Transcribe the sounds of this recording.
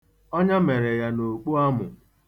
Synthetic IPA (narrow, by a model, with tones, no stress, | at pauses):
ɔ˦ɲa˦me˨ɾe˨ja˦no˨k͡po˦a˦mʊ̰˨